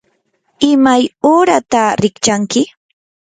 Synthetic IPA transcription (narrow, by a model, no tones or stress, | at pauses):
ɪmajoːɾat̪aɾɪkt͡ʃaŋkɪ